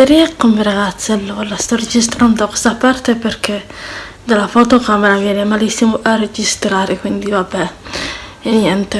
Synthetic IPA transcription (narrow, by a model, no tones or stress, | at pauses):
eɾiakːomeɾaɡat̪sːelːolast̪ared͡ʒis̬t̪ɾand̪d̪oke̥sapart̪eperkʰe | d̪alafɔt̪okameɾavjɛːnemalisːimoʔared͡ʒist̪ɾaɾekwind̪ivabɛ | eɲɛnt̪e